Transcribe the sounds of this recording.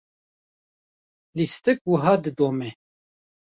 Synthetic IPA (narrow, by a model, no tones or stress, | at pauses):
list̪ɨk̚wəɦɑːd̪ɨd̪oːmɛ